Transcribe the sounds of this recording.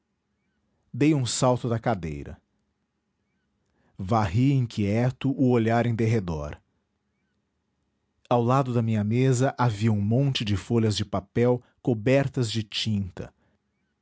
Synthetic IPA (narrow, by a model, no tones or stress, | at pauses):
d̪ejũsawt̪ʊd̪ɐkad̪ḛjɾɐ̰ | vaɦiẽkʰʲiɛt̪ʊʔʊoʎaɾẽd̪eɦed̪ɔ̰ɾ | awlad̪ʊd̪ɐmĩɲɐmezɐʔaviɐũmõnt͡ʃɪd͡ʒɪfoʎɐzd͡ʒɪpapɛw | kobɛɾt̪ɐzd͡ʒɪt͡ʃĩnt̪ɐ̰